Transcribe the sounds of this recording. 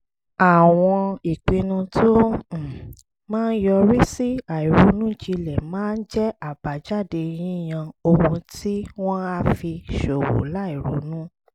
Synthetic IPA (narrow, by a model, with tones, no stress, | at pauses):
a˨w̃ɔ̃˧i˨k͡pĩ˧nũ˧tʰõ˦˨ | mãː˦n̩˦jɔ˧ɾi˦si˦a˨i˨ɾo˨˦nũ˦d͡ʒi˧lɛ˨mãː˦n̩˦d͡ʒɛ˦a˦˨ba˨˦d͡ʒa˦˨de˧j̃ĩ˦˨j̃ã˧o˧hũ˧tʰi˦w̃ɔ̃˦a˦fi˧ʃo˨wo̰˨˦la˦˨i˨ɾo̰˨˦nũ˦